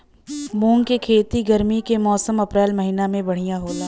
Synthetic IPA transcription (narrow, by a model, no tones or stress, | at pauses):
moːŋɡkekʰeːt̪iɡɐɾmikemɔːsəmɐpɾɛːlmɐɦiːnamẽbɐɽ̤ijãɦoːlaː